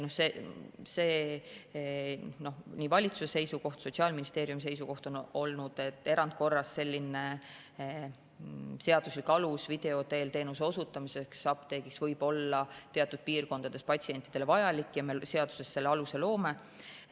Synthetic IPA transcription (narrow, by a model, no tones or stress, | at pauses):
no̞hsese̞ː | no̞nʲiːvɑlʲit̪susese̞jsuko̞ht̪so̞t̪ʲsiɑːlminist̪e̞ːɾjumis̬e̞jsuko̞ht̪o̞no̞lnud̪̥e̞t̪ːˑe̞ɾɑnd̪̚ko̞rːɑsse̞lʲːine | se̞ɑd̪̥uslikːɑlusvid̪̥e̞o̞t̪e̞ːlt̪e̞ːnuse̞o̞sut̪ːˑɑmiseksɑpt̪e̞ːɡ̥iksvɤjb̥o̞lːɑt̪e̞ɑt̪ːˑud̪̥̚piːrko̞nd̪̥ɑd̪̥e̞spɑtʲsie̞nʲt̪ːˑid̪̥e̞le̞vɑjɑlikːˑjɑmelse̞ɑd̪̥u̥se̞sːe̞lːeɑluse̞lo̞ːme̞